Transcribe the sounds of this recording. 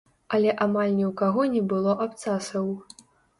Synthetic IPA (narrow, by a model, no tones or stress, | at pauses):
ɐlʲɛʔamalʲnʲɛwkaɣɔnʲɛbɨlˠɔʔapt̪sasɐw